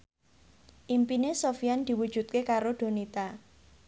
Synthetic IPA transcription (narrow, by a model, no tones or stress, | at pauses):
ʔimpinesofiand̪̥i̤wud̥ʒ̥ṳt̪̚kekaɾoɖ̪̥o̤nit̪a